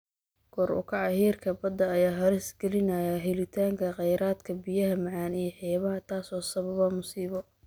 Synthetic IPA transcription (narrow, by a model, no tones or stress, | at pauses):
ɡ̥ɔːrʊ̰kʰɑʕɑhiːrkʰɐbɐd̪ɐːjaːɦɐɾɪsɡɛlɪnɐjɐɦɪlɪt̪ʰaːŋkʰɐqɛjɾaːd̪kʰɐbijɐɦɐmɑʕɑːnijɞħɛːβɐɦɐt̪ʰaːsɔːsɐβɐβɐmʊsiːβɔ